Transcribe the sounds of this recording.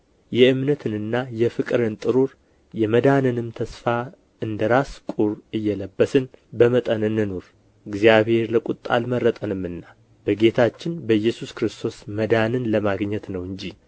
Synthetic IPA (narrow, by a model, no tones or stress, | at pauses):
jɛɨmnət̪ʰɨnɨnːajɛfɨkʼɨɾɨnt̪ʼɨɾuɾ | jɛməd̪anɨnɨmt̪ʰəsfa | ɨnd̪əɾaskʼuɾɨjːɛləbːəsɨnbəmət̪ʼənɨnːɨnoɾ | ɨɡzijaβhe̞ɾləkʼut̪ʼːa̰lməɾːət̪ʼənɨmːɨnːa | b̥əɡe̞t̪ʰat͡ʃːɪnbəjːɛsuskɾɨst̪ʰo̞sməd̪anɨnləmaɡɲːɛt̪nəwɨɲd͡ʒi